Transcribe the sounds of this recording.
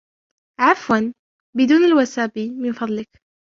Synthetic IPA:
ʕafwan | bɪd̪uːnɪlwasaːbimɪnfɑðˤlɪk

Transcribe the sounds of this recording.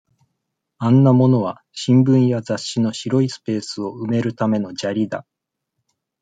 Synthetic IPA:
ãnːamo̞no̞β̞a | ɕĩmbɯ̟̃ɰ̃jazaɕːino̞ɕiɾo̞isɨ̥pe̞ːsɨo̞ɯ̟me̞ɾɯ̟t̪ame̞no̞d͡ʑaɾʲid̪a

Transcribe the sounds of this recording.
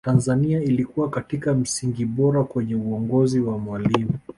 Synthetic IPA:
tanzaniailikuwakatikam̩siŋɡiɓɔɾakwɛɲɛuɔŋɡɔziwamwalimu

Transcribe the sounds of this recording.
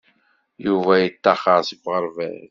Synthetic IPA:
juvæjət̪ːɑχɑɾˤsivʁəɾˤvæ̰

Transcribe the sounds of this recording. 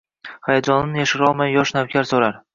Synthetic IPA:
hajad͡ʒɒnɪnɪjaʃɪɾɒlˠmajːɒʃnawkʲʰaɾsoɾaɾ

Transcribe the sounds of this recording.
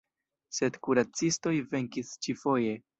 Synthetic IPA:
se̞dkuɾat͡sisto̞jve̞ŋkist͡ʃifo̞je̞

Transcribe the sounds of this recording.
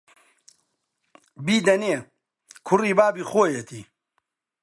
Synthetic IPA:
biːd̪ɐneː | kʰʊriːbaːbiːxoːjet̪ʰḭː

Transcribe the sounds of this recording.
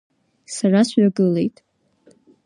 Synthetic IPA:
sarasʕaɡɨle̞jtʼ

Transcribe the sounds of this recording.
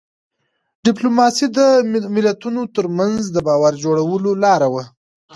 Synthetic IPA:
ɖɪplomɑsid̪əmɪlat̪unot̪əɾmanzd̪əbɑwaɾd͡ʒoɽawəlolɑɾawa

